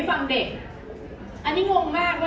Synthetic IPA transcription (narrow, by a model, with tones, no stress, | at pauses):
fa˧ŋde˨˩k̚ | ʔa˧nːiː˦˥ŋo˧ŋmaː˥˩k̚ma˦